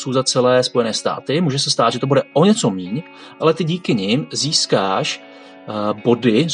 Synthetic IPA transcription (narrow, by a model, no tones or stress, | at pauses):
sowzat͡sɛlɛːspo̞jɛnɛːst̪a̰ːt̪ɪmuːʒɛsɛst̪aːd̪ʒɛt̪o̞budɛʔoɲɛt͡so̞miːɲ | ʔalɛt̪ɪɟiːkɪɲɪmziːskaːʃ | bo̞dɪ